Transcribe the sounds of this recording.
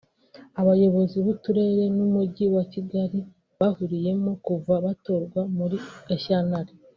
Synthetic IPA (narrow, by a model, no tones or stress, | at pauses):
aβajo̞βo̞ziβutuɾe̞ɾe̞numuɟiwaciɡaɾi | βahuɾije̞mokuvaβato̞ɾɡwamuɾieʃanaɾi